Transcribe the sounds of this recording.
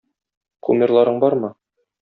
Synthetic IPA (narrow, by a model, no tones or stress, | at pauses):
qʰumʲɪrlˠɑɾɤɴbɒɾmɤ